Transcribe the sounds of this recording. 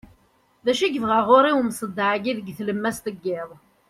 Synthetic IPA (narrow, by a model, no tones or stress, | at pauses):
ðæʃiɡðʁaʁʊɾiwmsˤəd̪ːaʕɡiðəɡθləmːæst̪əɡːɪðˤ